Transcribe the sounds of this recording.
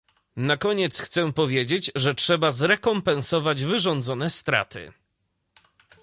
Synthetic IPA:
nakɔɲɛt̪sxt̪sɛpɔvʲjed͡ʑed͡ʑʐɛtʂɛbazɾɛkɔmpɛ̃nsɔvad͡ʑvɘʐɔnd̪zɔnɛst̪ɾa̰t̪ɘ̰

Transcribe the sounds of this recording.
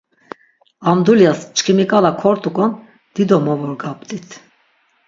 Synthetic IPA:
amd̪uljast͡ʃʰʼkʰimikʼalakʰɔɾt̪ʼukʼɔn | d̪̥id̪ɔmɔvɔɾɡapʼd̪ʼit̪ʰ

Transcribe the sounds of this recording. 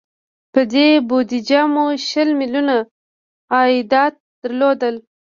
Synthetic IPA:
pəd̪ebod̪id͡ʒamuʃəlmɪljuna | ɑid̪ɑt̪̚d̪̥əɾlod̪əl

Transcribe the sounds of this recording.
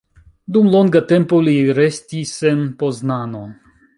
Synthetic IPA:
d̪umloŋɡat̪empoliɾest̪isʲːenpoznano

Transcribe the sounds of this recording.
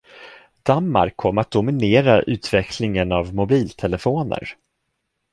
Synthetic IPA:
d̪̥anma̰ɾkʰːɔmːəɾat̪̚d̪ʊmɪneːɾaʔʉ̟ːt̪vɛkʰlɪŋənavmʊbiːlt̪ʰɛlɛfoːnə̰ɾ

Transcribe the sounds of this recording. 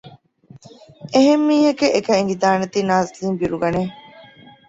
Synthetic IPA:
eɦemːiːhɐkeʔːkɐiŋɡid̪aːnet̪iːnaːziliːmbiɾuɡɐne

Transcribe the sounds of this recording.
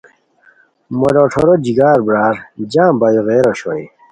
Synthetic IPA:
moloʈʰoɾod͡ʑiɡaːɾbɾaːɾd͡ʑãːmbajoɣeːɾoɕoi

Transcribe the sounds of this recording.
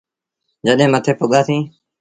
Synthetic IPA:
d͡ʒəɗɦẽːmət̪ʰeːpʊɠaːsĩː

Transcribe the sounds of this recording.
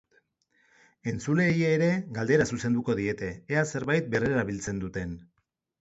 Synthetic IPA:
e̞nt͡sule̞ːjeːɾe̞ɡald̪e̞ɾasuse̞nd̪uko̞ðie̞t̪e̞ːase̞ɾβajt̪̚be̞reɾaβilt͡se̞nd̪ut̪e̞n

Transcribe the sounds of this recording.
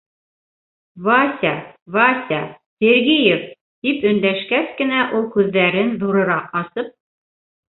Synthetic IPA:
vasʲavasʲa | sʲeɾɡijef | t̪ipɵ̆nd̪æʃkæskɘ̆næʔulˠkʉðːæɾɘnðuɾɤ̆ɾɑqɑsɤp̚

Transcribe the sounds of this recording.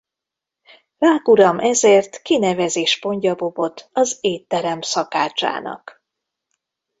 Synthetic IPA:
raːkuɾɒmɛzeːrt̪kinɛvɛzeːʃpo̞ɲɟɒbo̞bo̞t̪ɒzeːt̪ːɛɾɛmsɒka̰ːt͡ʃa̰ːnɒ̰k

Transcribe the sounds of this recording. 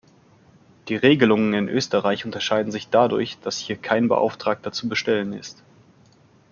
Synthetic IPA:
d̥iːʁeːɡəlʊŋənɪnʔø̰ːstəʁaɪçʔʊntɐʃaɪdn̩zɪçd̥adʊ̰ɐçd̥ashiːɐkʰaɪnbə̰ʔa̰ʊftʁ̥aːk̚tɐt͡subəʃtɛlənɪ̰st

